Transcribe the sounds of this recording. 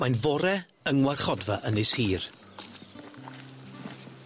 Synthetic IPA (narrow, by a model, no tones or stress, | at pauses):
manvɔɾɛ | əŋwarχɔdvaʔənɪshiːr